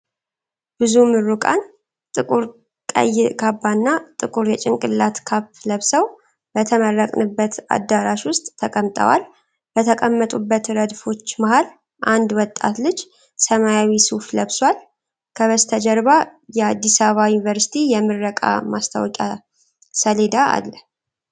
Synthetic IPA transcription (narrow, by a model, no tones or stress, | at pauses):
b̥ɨzumɨrːukʼa̰n | t̪ʼɨkʼuɾ | kʼə̰jkʰabːanːat̪ʼɨkʼuɾjɛt͡ʃʼɪŋkʼɨlːat̪kʰapːləβsəw | b̥ət̪ʰəmərːəkʼnɨbːət̪a̰d̪ːaɾaʃwʊst̪ʼːʰəkʼəmt̪ʼə̰wa̰l | b̥ət̪ʰəkʼəmːət̪ʼubːət̪ɾəd̪fo̞t͡ʃːmahal | ʔand̪wɔt̪ʼːa̰t̪lɨd͡ʒ | səmajawisufləβswal | kʰəβəst̪ʰəd͡ʒəɾβajɛad̪ːisaβajunivəɾsi̥t̪ʰijɛmɨɾːəkʼa̰mast̪ʰa̰wkʼa̰ | səled̪aa̰lːəh